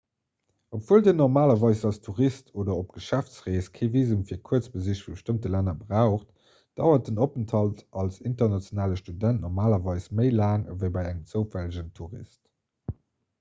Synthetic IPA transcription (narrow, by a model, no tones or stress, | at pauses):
opv̥uəldiːnɔʁmaːlɐvɑɪsɑlstʰuʁistʰoːdɐop̚ɡ̥əʃæft͡sʁeːskʰeɪviːzumfiːɐkʰuət͡sbəziʃfibəʃtəmtəlænɐbʁaʊχt | d̥ɑʊɐt̚d̥ənopəntʰɑltʔɑlsintɐnɑt͡sjonaːləʃtudæntnɔʁmaːlɐvɑɪsməɪlaːŋəvəɪbɑɪæŋəmt͡səʊfæləʑəntʰuʁḭst